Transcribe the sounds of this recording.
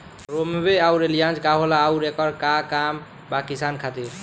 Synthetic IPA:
ɾombeauɾelijãnd͡ʒkaɦolaːwɾekʌɾkakam | bakisankʰat̪iɾ

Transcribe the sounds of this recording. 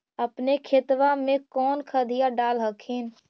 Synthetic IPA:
əpnekʰɪt̪ʋamẽkɔːnkʰəd̪ʱijaɖaːlɦəkʰin

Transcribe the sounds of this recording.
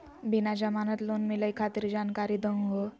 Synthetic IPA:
binad͡ʑəmanət̪lonmiləjkʰat̪iɾd͡ʑankaɾiːd̪əŋɦo

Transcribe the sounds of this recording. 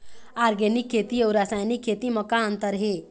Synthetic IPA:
aɾɡenikʰːet̪iewɾasajnikʰːet̪iməkãənt̪əɾɦe

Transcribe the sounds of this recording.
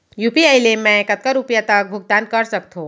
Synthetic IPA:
juːpiaɪlemɛ̃kət̪̚kaɾupjat̪ək̚bʱʊɡ̚d̪ãnt̪̚kɐɾsək̚t̪ʰõː

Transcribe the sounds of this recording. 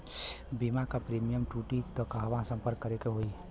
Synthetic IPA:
bimakapɾiːmijəmʈuːʈit̪ɔkaɦʋãsə̃mpəɾkːəɾekeɦoi

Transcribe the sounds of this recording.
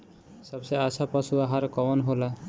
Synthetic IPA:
sʌbseasapʌsuaɦaɾkɔwɔnɦola

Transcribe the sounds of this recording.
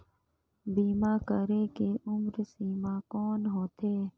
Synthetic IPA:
biːmãːkəɾeːkeːʔʊmɾsiːmãːkɔːnɦoːt̪eː

